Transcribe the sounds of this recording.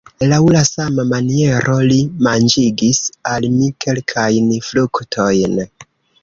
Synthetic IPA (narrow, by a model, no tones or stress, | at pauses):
lawlasamamanie̞ɾʔo̞limand͡ʒiɡisalmike̞lkʰajnfluktʰo̞jn